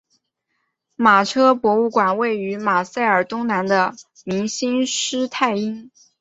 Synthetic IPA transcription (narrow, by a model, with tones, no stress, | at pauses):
ma˨˩ʈ͡ʂʰɤ˥pwɔ˧˥u˥˩kwa˨˩nwe˥˩ɪy˧˥ma˨˩sa˥˩ɪə˞˨˩t̪ʊ˥ŋna˧˥nd̪ə˧ | mi˧˥ŋɕi˥nʂɻ̩˥t̪ʰa˥˩ɪi˥ŋ